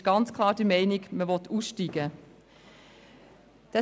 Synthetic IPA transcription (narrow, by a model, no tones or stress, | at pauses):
ɪʃɡ̥ɑnt͡skʰl̥ˠɑːɾd̥əmɛɪnɪɡməvɔt̪ʰuːsʃtiɡ̥ə | d̪̥ɛ